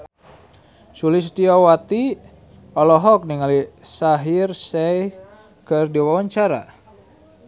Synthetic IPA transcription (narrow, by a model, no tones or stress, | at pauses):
sulis̬t̪iawat̪i | ɔlɔɦɔk̚niŋalisaɦirsɛj | kɨrdiwawaɲt͡ʃaɾa̰